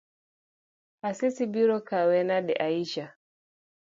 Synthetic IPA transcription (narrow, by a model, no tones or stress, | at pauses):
asisibiɾɔkawɛnaɗɛ̰ʔaiʃa